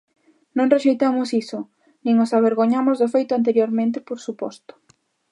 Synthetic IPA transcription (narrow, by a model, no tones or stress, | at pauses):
nõŋreʃejt̪amʊsisʊ | nĩŋosaβ̞eɾɣoɲamʊzðɪfejt̪ʊant̪̬eɾjoɾmẽnt̪̬ɪpoɾsupɔ̰st̪ʊ̥